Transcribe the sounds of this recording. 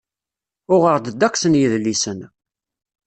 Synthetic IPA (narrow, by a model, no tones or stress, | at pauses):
ʊʁəʁd̪əd̪ːækʷːsənjiðlːisən